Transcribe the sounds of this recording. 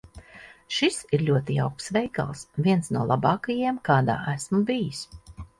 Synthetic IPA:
ʃisiɾlʲuɔt̪ija̰wk̚psvɛjka̰lˠsvʲiɛnsnuɔlˠabɑːkajiɛmkaːd̪a̰ːʔæsmubijis

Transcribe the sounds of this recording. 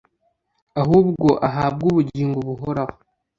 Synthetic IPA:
aɦuːbɡoʔaɦab̚ɡuːβuɟiːŋɡoβuɦoɾaho

